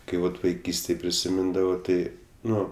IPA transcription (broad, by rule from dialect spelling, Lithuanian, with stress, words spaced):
ˈkɐɪ ˈʋɐt ʋɐɪˈkʲiːsʲtʲeːj pʲrʲɪsʲɪˈmʲɪndɐʋoː ˈtɐɪ ˈnʊ